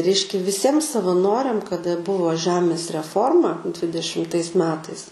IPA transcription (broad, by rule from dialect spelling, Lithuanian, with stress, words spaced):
ˈrʲɛɪʃʲkʲɛ ʋʲɪˈsʲiɛm sɐʋɐˈnoːrʲɛm kɐˈdɐ ˈbʊʋoː ˈʒʲæːmʲeːs rʲɛˈfoːrmɐ dʲʋʲɪdʲɛʃʲɪmˈtɐɪs ˈmʲæːtɐɪs